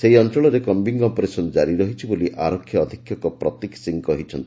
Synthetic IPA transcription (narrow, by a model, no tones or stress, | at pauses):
seɦiɔntɾɔɭɔɾekɔmbiŋɡɔpɔɾesɔnd͡ʒaɾiɾɔɦit͡ʃʰiboliʔaɾɔkʰːjɔɔd̪ʱikʰːjɔkɔpɾɔt̪iksiŋkɔɦit͡ʃʰɔnt̪i̥